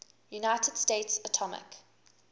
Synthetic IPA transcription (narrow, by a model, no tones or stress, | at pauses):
junaɪtʰəd̥steɪtsətʰɔmɪ̰k